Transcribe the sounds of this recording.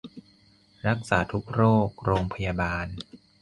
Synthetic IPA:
ɾa˦˥k̚saː˩˦t̪ʰu˦˥k̚ɾoː˥˩k̚ɾoː˧ŋpʰa˧ja˧baː˧n

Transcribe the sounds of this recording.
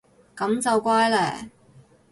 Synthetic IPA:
kɐ˨˥mt͡sɐ˨wkʷaː˥jlɛ̰ː˨˩

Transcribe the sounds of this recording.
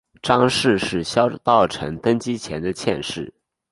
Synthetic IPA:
ʈ͡ʂɑ˥ŋʂɻ̩˥˧ʂɻ̩˥˩ɕjɑ˥ʊt̪ɑ˥˩ʊʈ͡ʂʰɤ̰˧˥ŋt̪ə˥ŋt͡ɕi˥t͡ɕʰjɛ˧˥nd̪ə˧t͡ɕʰjɛ̰˥˧nʂɻ̩˥˩

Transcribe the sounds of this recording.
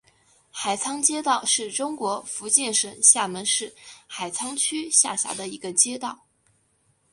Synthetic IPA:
xa˨˩ɪt͡sʰɑ˥ŋt͡ɕjɛ˥t̪ɑ˥˧ʊʂɻ̩˥˩ʈ͡ʂʊ˥ŋkwɔ˧˥fu˧˥t͡ɕjɛ˥˩nʂə˨˩nɕja˥˩mə˧˥nʂɻ̩˥˩xa˨˩ɪt͡sʰɑ˥ŋt͡ɕʰy˥ɕja̰˥˩ɕja̰˧˥d̪ə˧i˧˥ɡə˧t͡ɕjɛ˥t̪ɑ˥˩ʊ

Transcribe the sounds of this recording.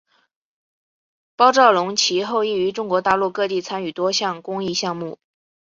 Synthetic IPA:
pɑ˥ʊʈ͡ʂɑ˥˩ʊlʊ˧˥ŋt͡ɕʰi˧˥xo˥˧ʊi˥˩y˧˥ʈ͡ʂʊ˥ŋkwɔ˧˥t̪a˥˧lu˥˧kɤ˥˧t̪i˥˩t͡sʰa˥ny˨˩t̪wɔ˥ɕjɑ˥˩ŋkʊ˥ŋi˥˧ɕjɑ˥˧ŋmu˥˩

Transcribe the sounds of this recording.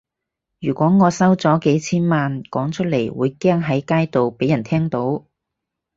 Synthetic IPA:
jyː˨˩kʷɔː˨˥ŋɔː˨˧sɐ˥wt͡sɔː˨˥ke˨˥jt͡sʰiː˥nmaː˨nkɔː˨˥ŋt͡ʃʰɵ˥t̚le˨˩jwuː˨˧jkɛː˥ŋɦɐ˨˥jkaː˥jt̪o˨wpe˨˥jɐ˨˩nt̪ʰɛː˥ŋt̪o˨˥w

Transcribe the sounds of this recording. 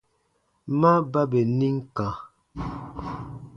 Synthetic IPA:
ma˦ba˦be˨ni˦ŋ˦kã˨

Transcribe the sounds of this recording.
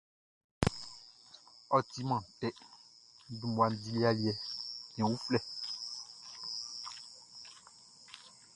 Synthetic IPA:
ɔ˨ti˦mã˨tɛ˦ | dũ˨mwa˨n̩˦˨di˦li˦a˨li˦ɛ˨ɲ˨ɛ̃˨wu˦flɛ˦˨

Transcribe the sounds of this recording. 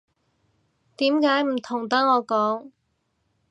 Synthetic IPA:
t̪iː˨˥mkaː˨˥jm̩˨˩t̪ʰʊ˨˩ŋt̪ɐ˥ŋɔː˨˧kɔː˨˥ŋ

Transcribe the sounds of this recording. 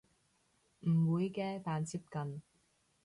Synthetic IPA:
m̩˨˩wuː˨˧jkɛː˧t̪aː˨nt͡siː˧p̚kɐ˨n

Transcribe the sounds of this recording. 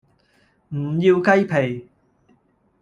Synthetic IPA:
m̩˨˩jiː˧wkɐ˥jpʰe˨˩j

